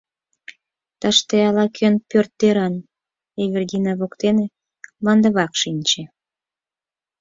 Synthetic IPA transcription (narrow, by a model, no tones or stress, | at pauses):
t̪ɑʃt̪eɑlɑkʰønpørt̪ːeɾɑn | eβərd̪ʲinɑβokt̪ene | mɑnd̪əβɑkʃinʲt͡ɕe